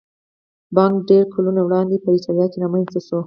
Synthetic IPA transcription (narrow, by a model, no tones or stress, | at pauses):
bɑŋkɖeɾkʰolunawɽɑnd̪epəit̪ɑljɑt̪̚kenamanst̪aʃo